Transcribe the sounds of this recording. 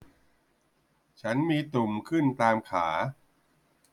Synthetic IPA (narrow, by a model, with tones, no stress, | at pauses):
t͡ɕʰa˦˥nmiː˧t̪u˨˩mkʰɯ˥˩nt̪aː˧mkʰaː˩˦